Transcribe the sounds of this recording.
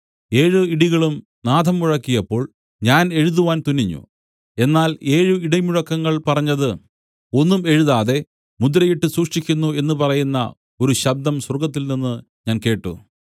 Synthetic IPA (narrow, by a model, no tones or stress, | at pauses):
e̞ːɻɨiɽiɣɐɭum | naːd̪ʱɐmːuɻɐkːijɐpːo̞ːɭ | ɲaːne̞ɻuðuʋaːnt̪unːiɲːṵ | e̞nːaːle̞ːɻɨiɽɐjmuɻɐkːɐŋːɐɭpɐrɐɲːɐðɨ | o̞nːume̞ɻuðaːðe̞ | mud̪ɾɐjiʈːɨsuːʂʂikʲːunːue̞nːɨpɐrɐjunːɐ̰ | o̞ɾuɕɐb̚d̪ɐmsɐrɡɐt̪̬ːilninːɨ | ɲaːnke̞ːʈːṵ